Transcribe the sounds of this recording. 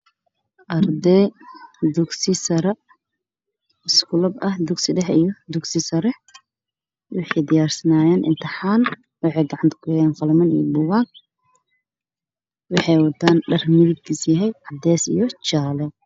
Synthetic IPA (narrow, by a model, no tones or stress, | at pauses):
ʔɐrd̪ɛ | d̪ʊɡsɪsɐɾɛ | ɪskʊlɐbɐhd̪ʊɡsɪɖɛħijɔd̪ʊɡsɪsɐɾɛħ | wɪħɑjd̪ɪjaːrsɐnaːjaːnʔɪ̰nt̪ʰɪħaːn | wɑħɑjɡɑʕɑnt̪ʰɐ̥kʰʊjɛjɛːnqɑlmɐnḭjɔbʊwaːɡ̚ | wɑħɑjwɑt̪ʰaːnɖɐrmɪðɪb̚kʰiːsjɐɦɛjʕɑd̪ɛːsḭjɔt͡ʃaːlɛ